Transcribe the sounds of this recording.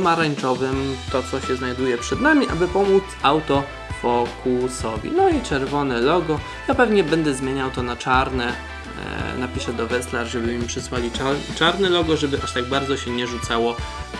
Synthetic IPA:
maɾaɲt͡ʂɔvɘmt̪ɔt̪sɔɕɛznajd̪ujɛpʂɛd̪namʲiʔa̰bɘpɔmut̪sawt̪ɔ | vɔkusɔvʲḭnɔit͡ʂɛɾvɔnɛlɔɡɔ | japɛvɲɛbɛnd̪ɛzmʲjeɲawt̪ɔnat͡ʂaɾnɛ | napʲiʂɛd̪ɔvɛslaɾʐɛbɘmipʂɘswalʲiat͡ʂaɾnɛlɔɡɔʐɛbɘʔaʂt̪aɡ̚baɾd̪zɔɕɛɲɛʐut̪sawɔ

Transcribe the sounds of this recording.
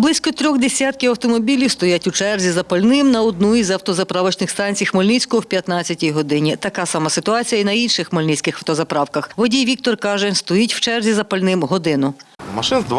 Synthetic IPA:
blˠɪsʲkɔt̪ɾʲɔɣd̪esʲat̪̚kɪɐwt̪ɔmɔbʲilʲiwst̪ɔjatʲʊt͡ʃɛrzʲizɐpɐlʲnɪmnɐɔd̪̚nuizɐwt̪ɔzɐpɾɑʋɐt͡ʃnɪxst̪ɑnʲt͡sʲijɐxmɔlʲnit͡sʲkʊɔwpʲjɐt̪nɑt͡sʲːɐtʲijɦɔd̪ɪnʲit̪ɐkɑsɑmɑsɪt̪ʊɑt͡sʲijɐinɐinʃɪxmɔlʲnit͡sʲkɪxɐwt̪ɔzɐpɾɑwkɐxʋɔdʲijʋʲik̚t̪ɔrkɑʒɛst̪ɔjitʲw̥t͡ʃɛrzʲizɐpɐlʲnɪmɦɔd̪ɪnʊmɐʃɪnzd̪

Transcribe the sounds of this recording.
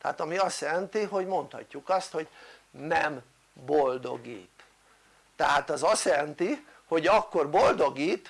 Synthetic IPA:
t̪ɛɦaːt̪ɒmiɒst̪jɛlɛnt̪iɦo̞ɟmo̞nt̪hɒ̰cːukɒst̪ho̞ɟnɛm | bold̪o̞̰ɡḭːt̪ː | ɛɦaːt̪ɒzɒst̪jɛlɛnt̪i | ho̞ɟɒkːo̞rbold̪o̞ɡiːt̪

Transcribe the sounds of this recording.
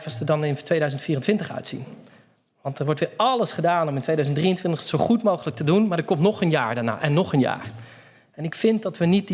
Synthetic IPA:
vəsədɑnɪntʋejdœɥzəntfiːrəntʋɪntəχœ̰ɥtsḭn | ʋɑntəɹʋɔɹtʋɪːɹɑləsχədaːnɔmɪntʋejdœɥzəntdriəntʋɪntəχsowχutmowχələk̚tədunmaːɹdəkɔmtnɔχənjaːɹdaɹna̰ːʔɛnːɔχənja̰ːɹ | ɛnɪkfɪnt̚dɑtʋənit̚d

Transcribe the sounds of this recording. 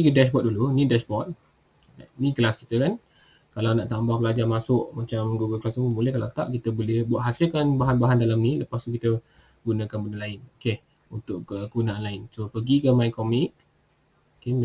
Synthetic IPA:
ikədɛʃbɔt̚dulunĩdɛʃbɔt̪̚ | a̰nĩkəlaskit̪əkan | kalawnãʔt̪ambahpəlad͡ʒamasʊʔmat͡ʃamɡuɡəlklasumubolɛhkalawt̪aʔkit̪əbolɪhbuaʔɦasɪlkanbaɦanbaɦandalamnĩləpast̪ukit̪ə | ɡunə̃kanbəndəlaɪnoke | unt̪ʊʔkəkuunãanlaɪnsopəɡikəmajkɔmɪk̚ | okem

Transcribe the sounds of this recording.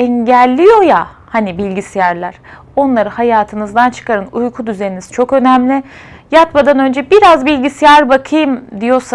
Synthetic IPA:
ɛɲɟælʲːijo̞ja | hanibilʲɟisijæɾlʲˠæɾ̥ | o̞nlˠaɾɯhajaːt̪ʰɯnɯzd̪ant͡ʃʰɯ̥kʰaɾɯnujkʰud̪yzejiniz̥t͡ʃʰo̞kø̞næmlʲɪjat̪mad̪anø̞nd͡ʒɛbiɾazbilʲɟisijaɾbakʰɯjɯmd̪ijo̞ɾsa

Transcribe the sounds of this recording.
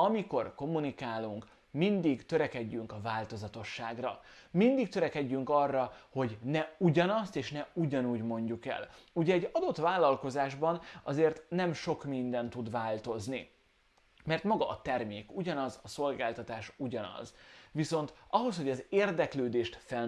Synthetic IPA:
ɒmiko̞rko̞munikaːluŋk | mind̪iɡt̪ø̞ɾɛkɛɟːyŋkɒvaːlt̪o̞zɒt̪o̞ʃːaːɡrɒ̰ | mind̪ik̚t̪øɾɛkɛɟːyŋkɒrːɒho̞ɟnɛuɟɒnɒst̪eːʃnɛuɟɒnuːɟmo̞ɲɟukɛ̰luɟɛɛɟɒd̪o̞t̪vaːlːɒlko̞zaːʒbɒnɒzeːrt̪nɛmʃo̞kmind̪ɛnt̪ud̪vaːlt̪o̞zni | mɛrt̪mɒɡɒ̰ʔːt̪ɛrmeːkuɟɒnɒzɒso̞lɡaːlt̪ɒt̪aːʃuɟɒnɒ̰zviso̞nt̪ɒɦo̞sho̞ɟɒzeːrd̪ɛkløːd̪eːʃt̪fɛ

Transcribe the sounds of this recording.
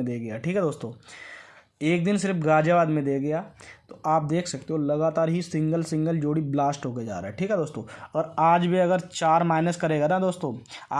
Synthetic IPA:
d̪eːɡɐjaʈʰiːkɦɛd̪oːst̪õː | eːk̚d̪ɪnsɪɾfɡaːd͡ʒaʋaːd̪mẽd̪eːɡɐjat̪oʔaːp̚d̪eːkʰsɐk̚t̪eɦõlɐɡaːt̪aːɾɦisɪ̃ŋɡəlsɪ̃ŋɡəld͡ʒoːɽiblaːsʈɦoːked͡ʒa̰ːɾa̰ːɦɛʈʰiːkɦɛd̪oːst̪õːɔːɾaːd͡ʒbʱiɐɡəɾt͡ʃaːɾmaːɪnəskɐɾeːɡanad̪oːst̪õːa̰ː

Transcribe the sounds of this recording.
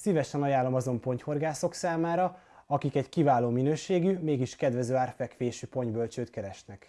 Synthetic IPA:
sivɛʃɛnɒjaːlːo̞mɒzo̞mpo̞ɲcho̞rɡaːso̞ksaːmaːɾɒ | ɒkikɛɟkivaːloːminøːʃeːɡymeːɡiʃkɛd̪ʋɛzøːaːrfɛkʋeːʃypo̞ɲbølt͡ʃøːt̪kɛɾɛʃnɛk

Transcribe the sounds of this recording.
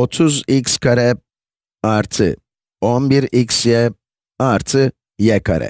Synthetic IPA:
ɔt͡sʰuzikskʰaɾɛ | aɾt͡sʰɨ̰ | ɔmbiɾiksjɛ | aɾt͡sʰɨ | jɛkʰɐ̰ɾɛ̰

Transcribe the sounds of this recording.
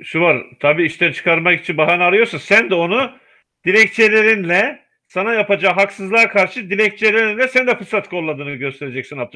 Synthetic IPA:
ʃuvaɾt̪ʰabiːiʃt̪ʰænt͡ʃʰɯ̥kʰaɾmaki̥t͡ʃʰinbaɦanaɾajo̞ɾsasænd̪ɛo̞nu | d̪̥ilʲɛc̚t͡ʃʰelʲe̞ɾinlʲɛ | sanajapad͡ʒaːɦaksɯzlˠaːkʰaɾʃɯd̪ilʲɛc̚t͡ʃʰelʲe̞ɾinlʲɛsænd̪ɛfɯsat̪kʰo̞lˠːad̪ɯːnɯɯɟø̞st̪ʰe̞ɾed͡ʒɛcsinap̚t̪ʰ

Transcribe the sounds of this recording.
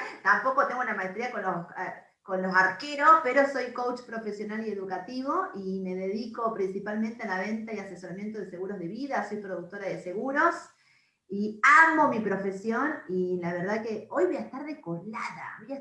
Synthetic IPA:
t̪ampo̞kot̪eŋɡounamaest̪ɾiakonlos | konlo̞saɾkeɾospeɾo̞so̞jkowt͡ʃpɾo̞fesjo̞nalie̞ðukat̪iβoime̞ðe̞ðiko̞pɾinsipalmẽnt̪ealaβent̪ajase̞so̞ɾamje̞nt̪oð̞ese̞ɣuɾo̞zð̞e̞βiðaso̞jpɾoðuk̚t̪o̞ɾaðese̞ɣuɾo̞s | iamo̞mipɾo̞fe̞sjo̞nilaβeɾð̞akeo̞jβojaest̪aɾðekoɾlaða̰βoja

